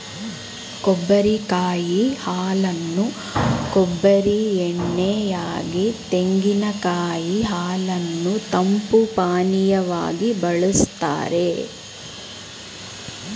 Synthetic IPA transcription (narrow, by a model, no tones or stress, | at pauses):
kɔbːɐɾikaːjihaːlɐnːu | kobːɐɾieɳːɛjaːɡit̪eŋɡinɐkaːjiɦaːlɐnːut̪ɐmpupaːnijɐʋaːɡibɐɭust̪a̰ːɾe